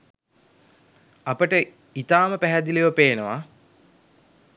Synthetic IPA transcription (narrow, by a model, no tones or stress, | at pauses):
apəʈə | it̪aːməpæɦæd̪ilejəpeːnəʋa